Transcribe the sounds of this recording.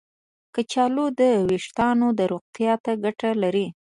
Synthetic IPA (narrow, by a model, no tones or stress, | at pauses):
kət͡ʃɑlod̪əwiʂt̪ɑnod̪əɾoq̚t̪jɑt̪aɡaʈalaɾi